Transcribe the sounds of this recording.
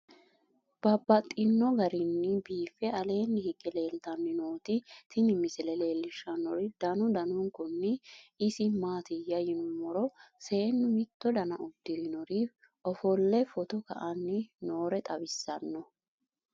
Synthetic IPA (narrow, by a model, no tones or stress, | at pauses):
b̥ɐbːɐt̪ʼːɪnːɔɡɐɾɪnːɪbiːfːɛɐle̞ːnːɪhɪɡɛle̞ːlt̪ɐnːɪnoːt̪ɪt̪ʰɪnɪmɪsɪlɛle̞ːlːɪʃːɐnːɔɾɪd̪̥ɐnʊd̪ɐnʊŋkʊnːɪɪsɪmaːt̪ɪjɐjɪnʊmɔɾɔse̞ːnːʊmɪt̪ːɔd̪ɐnɐʊd̪̥ːɪlɪnɔɾif | ʔɔfɔlːɛfɔt̪ɔkɐ̰ʔɐnːɪno̞ːɾɛt̪ʼɐbɪsːɐnːɔ